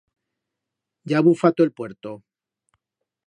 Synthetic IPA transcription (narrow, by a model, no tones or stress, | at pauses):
ɟ͡ʝaβufat̪oelpwe̞ɾt̪o